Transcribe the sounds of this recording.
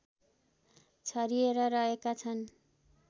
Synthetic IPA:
t͡sʰʌɾieɾʌɾʌɦekat͡sʰʌn

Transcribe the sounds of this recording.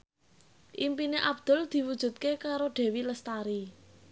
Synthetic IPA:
ʔimpineʔab̚d̪̥ʊ̤ld̪̥i̤wud̥ʒ̥ṳt̪̚kekaɾoɖ̥e̤wiləst̪aɾi

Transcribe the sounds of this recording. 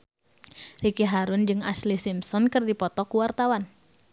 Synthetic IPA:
rikiɦaɾʊnd͡ʒɨŋaslihsimsɔnkɨrdipɔt̪ɔkuwart̪awan

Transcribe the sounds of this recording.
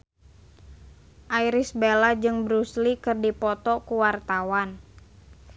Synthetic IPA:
ʔaiɾisbelad͡ʒɨŋbɾuslikɨrdipɔt̪ɔkuwart̪awan

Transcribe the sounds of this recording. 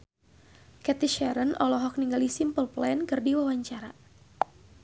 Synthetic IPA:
kɛt̪iʃɛɾənɔlɔɦɔk̚niŋɡalisimpəlplɛnkɨrdiwawaɲt͡ʃaɾa

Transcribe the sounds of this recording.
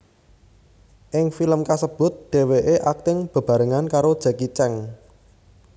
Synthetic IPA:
ʔɪŋfiləmkasəb̥ʊ̤t̪̚d̪̥e̤weʔeʔak̚t̪ɪŋb̥ə̤b̥a̤ɾəŋankaɾod̥ʒ̥a̤kit͡ʃɛŋ

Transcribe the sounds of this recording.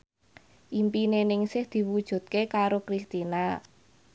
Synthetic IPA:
ʔimpinenɪŋsɪhd̪̥i̤wud̥ʒ̥ṳt̪̚kekaɾokɾist̪ina

